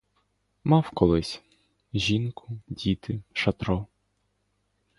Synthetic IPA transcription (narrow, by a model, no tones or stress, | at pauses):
mɑwkɔlˠɪsʲ | ʒʲinkʰʊdʲit̪ʰɪʃɐt̪ɾɔ